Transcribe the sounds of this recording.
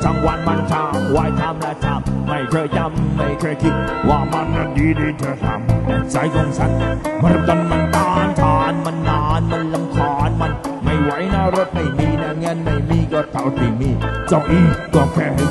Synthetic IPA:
sa˧˩ŋwa˧˩nma˧˩nt͡ɕʰaː˧˩mwaː˨˧˦jt̪ʰa˧˥mlaː˧˩t̪ʰa˧˥˩mːa˧˩jt̪ʰɤː˧˩ja˧˩mːa˧˩jkʰɔː˧˩˨jkʰi˧t̪̚waː˧˩ma˧˩na˧˩diː˧˦diː˧t̪ʰaː˧˩t̪ʰa̰ː˨˦m˧sa˨˧˦jk̪ɔ˧˩ŋsʰa˧˩n˧ma˧˩˧t̪a˧nma˧nt̪aː˧˥nt̪ʰaː˧˥nma˧nːaː˧˩nma˧nla˧mkʰɔː˧˩nma˧n | ma˥˩jwa˨˦jnaː˧˩ɾo˦˧˥t̪̚ma˧˩jmiː˧˩na˧˩ŋə˧˥nma˧˩jmiː˧˩kɔː˧˩t̪ʰa˧˩t̪i˨˩miː˧˩t͡ɕa˧˩wʔiː˧˩k̪ɔː˨˩kʰɛː˧˩ha˧˩

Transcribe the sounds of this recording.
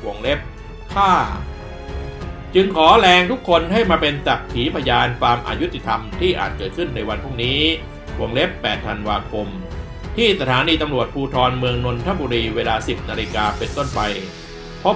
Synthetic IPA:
u˩əŋle˦˥p̚ | kʰaː˥˩ | t͡ɕɯ˧ŋkʰɔː˩˦lɛː˧ŋt̪ʰu˦˥kʰːo˧nɦa˥˩jmaː˧pe˧nsa˨˩k̚t̪ʰiː˩˦pʰa˧jaː˧nfaː˧mʔa̰ː˧ju˦˥t̪ʰːi˨˩t̪ʰa˧mt̪ʰiː˥˩ʔa̰ː˨˩t̪̚kɤː˨˩kʰɯ˥˩nːa˧jwa˧npʰuː˥˩ŋniː˦˥ | kʰu˨˩˦ŋle˦˥pːɛː˨˩t̪ʰːa˧nwaː˧kʰo˧m | t̪ʰiː˥˩sa˧t̪ʰaː˩˦niː˧t̪a˧mɾu˨˩ət̪̚pʰuː˧t̪ʰɔː˧nmɯ˧əŋno˧nt̪ʰa˥˩buː˧ɾiː˧weː˧laː˧si˨˩p̚naː˧li˧kaː˧pe˧nt̪o˥˩npa˧j | pʰɔ˦˥

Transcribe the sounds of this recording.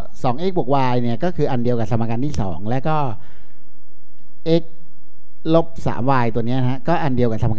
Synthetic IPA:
sɔː˩˦ŋʔe˦˥k̚bu˨˩k̚waː˧jni˥˩ɐkɔː˥˩kʰɯː˧ʔa˧ndi˧əwka˨˩t̪ʰa˧ma˧kaː˧nt̪iː˥˩sɔ̰ː˩˦ŋlɛː˦˥wkɔː˥˩ | ʔe˦˥k̚ | lo˦˥p̚sa̰ː˩˦mwaː˧jt̪u˧əni˦˥ɐ˧kʰa˦˥kɔː˥˩ʔa˧ndi˧əwka˨˩t̪ʰa˧ma˧

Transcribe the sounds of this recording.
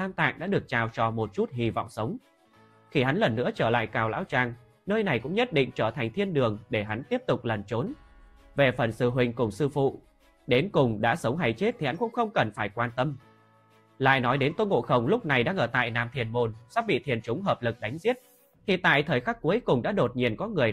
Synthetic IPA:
t̪aː˧mt̪a̰ː˧˨ŋɗa̰ː˧˥ɗɨ˨˩ək̚t͡ɕaː˨˩wt͡ɕɔ˧mo˨˩t̚t͡ɕu˦˥t̚hi˧˩vɔ̰˧˨wŋ͡msə˨˦wŋ͡m | xi˧˩ha˨˦nlə˨˩nːɨ̰˧˥ət͡ɕəː˧˩la̰ː˧˨jkaː˨˩wla̰ː˧˥wt͡ɕaː˨˩ŋ | nəː˧jna˨˩jkʊ̰˧˥ŋ͡mɲə˦˥t̚ɗḭ˧˨ŋ̟t͡ɕəː˧˩t̪ʰa˨˩ŋ̟t̪ʰi˧ənɗɨ˨˩əŋɗe˧˩ɦa˨˦nt̪i˦˥əp̚t̪ʊ˨˩k͡p̚lə˨˩nt͡ɕo˨˦n | ve˨˩fə˨˩nsɨ˧˩ɦwï˨˩ŋ̟kʊ˨˩ŋ͡msɨ˧fṵ˧˨ | ɗe˨˦nkʊ˨˩ŋ͡mɗa̰ː˧˥sə˨˦wŋ͡mɦa˧˩jt͡ɕe˦˥t̚t̪ʰi˨˩ha˨˦nkʊ̰˧˥ŋ͡mxə˧wŋ͡mkə˨˩nfaː˧˩jkwaː˧nt̪ə˧m | la̰ː˧˨jnɔ˨˦jɗe˨˦nt̪wə˧ŋo̰˧˨xə˧˩wŋ͡mlʊ˦˥k͡p̚na˨˩jɗaː˧ŋʔəː˧˩t̪a̰ː˧˨jnaː˨˩mt̪ʰi˨˩ənmo˨˩nsaː˦˥k̚ɓḭ˧˨t̪ʰi˨˩ənt͡ɕʊ˨˦ŋ͡mɦəː˨˩p̚lɨ˨˩k̚ɗa˨˦jŋ̟zi˦˥ət̚ | t̪ʰi˨˧˨t̪a̰ː˧˨jt̪ʰəː˨˩jxaː˦˥k̚ːu˨˦əjkʊ˨˩ŋ͡mɗa̰ː˧˥ɗo˨˩t̚ɲi˨ənkɔ˨˦ŋɨ˨˩əj

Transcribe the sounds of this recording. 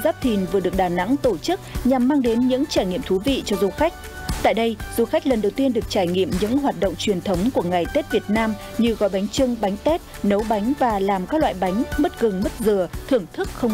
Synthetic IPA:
zaː˦˥p̚t̪ʰi˨˩nvɨ˨˩əɗɨ˨˩əɗaː˨˩na̰˧˥ŋt̪o˧˩t͡ɕɨ˦˥k̚ɲa˨˩mːaː˧ŋɗe˨˦nɲɨ̰˧˥ŋt͡ɕaː˧˩jŋḭ˧əmt̪ʰu˨˦vḭ˧˨t͡ɕɔ˧zu˧xa˦˥jk̟̚ | t̪a̰ː˧˨jɗə˧jz̥u˧xa˦˥k̚lə˨˩nɗə˨˩wt̪i˧ənɗɨ˨˩ək̚t͡ɕaː˧˩jŋḭ˧˨əmɲɨ̰˧˥ŋɦwaː˨˩t̚ɗo̰˧˨wŋ͡mt͡ɕwi˨˩ənt̪ʰə˨˦wŋ͡mku˧˩əŋa˨˩jt̪e˦˥t̚vi˨˩ət̚naː˧m | ɲɨ˧ɣɔ̰˧˨˩jɓa˨˦jŋ̟t͡ɕɨ˧ŋɓa˨˦jŋ̟t̪e˦˥t̚nə˨˦wɓa˨˦jŋ̟vaː˨˩laː˨˩mkaː˦˥k̚lwa̰ː˧˨jɓa˨˦jŋ̟mə˦˥t̚ɣɨ˨˩ŋmə˦˥t̚zɨ˨˩ət̪ʰɨ˧˩əŋt̪ʰɨ˦˥k̚xə˧wŋ͡m

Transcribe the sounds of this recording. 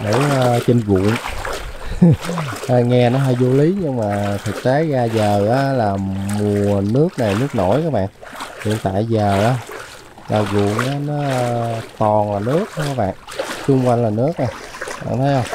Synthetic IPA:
nə̰˧˩˧t͡ɕe˧nɣṵ˧˨ən | ʔːŋɛ˧nɔ˨˦ɦa˧jzo˧li˨˦ɲɨ˧ŋmaː˨˩t̪ʰɨ˨˩k̚t̪e˨˦ɣaː˧zəː˨˩ʔaː˨˦laː˨˩mu˨˩əəənɨ˦˥ək̚na˨˩jnɨ˦˥ək̚no̰˧˩jkaː˨˦˥ɓa̰ː˧˨n | hḭ˧˨ənt̪a̰ː˧˨jzəː˨˩ʔaː˨˧˦ | laː˨˩ɣʊ̰˧˨ənʔaː˨˦nɔ˨˦˧t̪ɔ˨˩nlaː˨˩nɨ˦˥ək̚kaː˨˦˥ɓa̰ː˧˨nt͡ɕʊ˧ŋ͡mkwa˧jŋ̟laː˨˩nɨ˦˥ək̚ʔa˨˩jɓa̰ː˧˨nt̪ʰə˨˦jhə˧wŋ͡m

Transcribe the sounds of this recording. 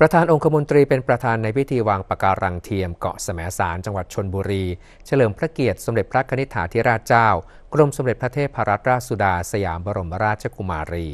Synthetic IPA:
pɾa˧t̪ʰaː˧nʔo˧ŋkʰa˧mo˧nt̪ɾiː˧pe˧npɾa˧t̪ʰaː˧nːa˧jpʰi˦˥t̪ʰiː˧waː˧ŋpa˨˩kaː˧ɾʔa˧ŋt̪ʰiː˧əmkɔ̰˨˩ʔsa˧mɛː˩˦saː˩˦nt͡ɕa˧ŋwa˨˩t̪̚t͡ɕʰo˧nbuː˧ɾiː˧ | t͡ɕʰa˧lɤː˩˦mpʰɾa˦˥ki˨˩ət̪̚so˩˦mle˨˩t̪̚pʰɾa˦˥kʰa˧ni˦˥t̪ʰːa̰ː˩˦t̪ʰiː˦˥ɾaː˥˩t̪̚t͡ɕaː˥˩w | kɾo˧mso˩˦mle˨˩t̪̚pɾa˦t̪ʰeː˥˩t̪̚pʰaː˧ɾa˦˥t̪̚ɾaː˥˩t̪̚su˧˩daː˧sa˧jaː˩˦mbɔ˧ɾo˧˩ma˧ɾaː˥˩t̪̚t͡ɕʰa˧˩kʰu˧maː˧ɾiː˧

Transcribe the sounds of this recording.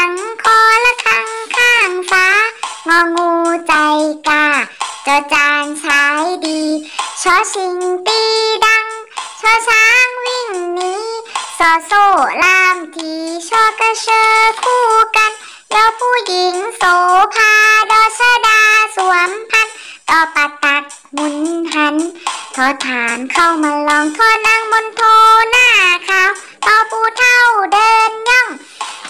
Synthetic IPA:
a˨˧˦ŋkʰɔː˧˦la˧kʰa˧ŋkʰaː˥˩ŋfaː˧˦˥ŋɔː˧ŋuː˧t͡ɕa˧jkaː˧˩t͡ɕɔː˨˧˩t͡ɕaː˧nt͡ɕʰaː˨˧˦jdiː˨˧t͡ɕʰɔː˧˦si˨˧ŋt̪iː˧da˧ŋsʰɔː˧˦saː˧˦˥ŋwi˧˩˨ŋniː˧˥sɔː˨˧˦soː˧˩laː˧˩mt̪ʰiː˨˧t͡ɕʰɔː˧˦ka˧sʰɤː˧kʰuː˧˩ka˧n | jɔː˧pʰuː˧˨ji˨˦ŋsoː˧˦pʰaː˧jɔː˧˩saː˧˨daː˧su˨˦əmpʰa˧˥˨n | t̪ɔː˧˩pa˧t̪a˧k̚ | mu˧˦nhʰa˧˥nt̪ʰɔː˧˦t̪ʰaː˨˦nkʰa˧˩˨wmaː˧lɔː˧˦ŋt̪ʰɔː˧˦na˧˥˩ŋmo˧˦nt̪ʰoː˧naː˧˥˩kʰaː˧˥˨w | t̪ɔː˧˩pʰuː˧˩t̪ʰa˧˥˩wdɤː˧nɲɔ˧˩ŋ

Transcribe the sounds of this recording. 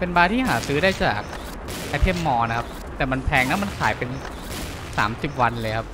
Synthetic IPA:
pe˧nbaː˧t̪ʰiː˥˩ɦa̰ː˩˦sɯː˦˥daː˥˩jt͡ɕa̰ː˨˩k̚ | ʔa˧t̪ʰe˥˩˨mːɔː˧na˦˥kʰa˦˥p̚ | t̪ɛː˨˩ma˧npʰɛː˧ŋna˦˥ma˧nkʰa̰ː˩˦jpe˧n | sa̰ː˩˦msi˨˩p̚wa˧nlɤː˧jkʰa˦˥p̚

